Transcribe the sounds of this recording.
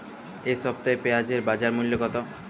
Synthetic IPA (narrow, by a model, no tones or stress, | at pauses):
eʃɔb̚t̪aepead͡ʑeɾbad͡ʑaɾmuljokɔt̪o